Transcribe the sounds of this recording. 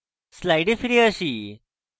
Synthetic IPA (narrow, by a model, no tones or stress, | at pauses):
slajɖefiɾiəɕi